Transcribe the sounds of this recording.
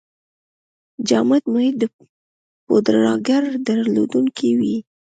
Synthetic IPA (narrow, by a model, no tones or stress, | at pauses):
d͡ʒɑmat̪mʊhɪt̪̚d̪ə | pod̪ɾɑɡaɾd̪aɾlo̰d̪uŋkʰiwi